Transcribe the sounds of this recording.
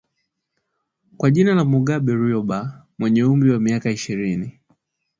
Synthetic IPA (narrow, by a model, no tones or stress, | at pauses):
kwaʄinalamuɡaɓɛɾiɔɓa | mwɛɲɛumbiwamiakaiʃiɾini